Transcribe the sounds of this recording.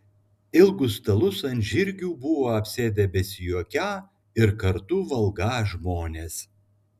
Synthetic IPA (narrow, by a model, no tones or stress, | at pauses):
ɪlˠɡʊst̪ɐlˠʊsɐnʲʒʲɪɾʲɡʲuːbʊʋoːɐpʲsʲeːd̪ʲɛbʲɛsʲɪjuɔkʲæː | ɪɾkɐɾt̪uʋɐlˠɡɑːʒmoːnʲeːs